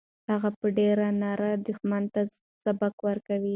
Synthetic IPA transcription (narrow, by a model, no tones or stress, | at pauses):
haɣapəɖeɾanɑɾad̪ʊxmant̪a | sabakwəɾkawi